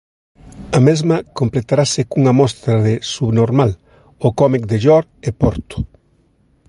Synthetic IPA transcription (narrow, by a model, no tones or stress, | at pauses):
ɐmezmɐkomplet̪aɾasɪkuŋɐmɔst̪ɾɐðɪsuβnoɾmal | okɔmik̚d̪eʎɔɾepɔɾt̪ʊ̥